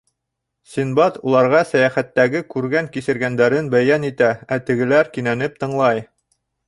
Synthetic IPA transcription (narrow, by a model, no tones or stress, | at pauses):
sʲinbɑt̪ulˠɑɾʁɑsæjæχæt̪ːæɡɘkʉɾɡæŋkisɘ̆ɾɡænd̪æɾɘnbæjænit̪ææt̪ɘ̆ɡɘ̆læɾkinænɘp̚t̪ɤ̆ɴlˠɑj